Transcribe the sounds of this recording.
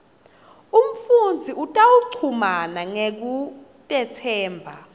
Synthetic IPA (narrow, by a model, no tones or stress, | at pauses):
um̩fund͡zʱiʔutʼawuǀʰumanaŋek̬u | tʼɛtʰɛːmbʱa